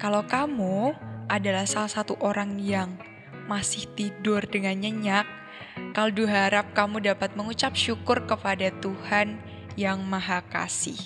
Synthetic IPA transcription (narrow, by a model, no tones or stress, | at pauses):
kalowkamuʔadalahsalasat̪uʔoɾaŋjaŋ | masɪht̪idʊrdəŋanɲəɲak̚ː | aloduɦaɾap̚kamudapat̪̚məŋut͡ʃap̚ʃukʊrkəpadat̪uhan | jaŋmaɦaka̰sɪ̰h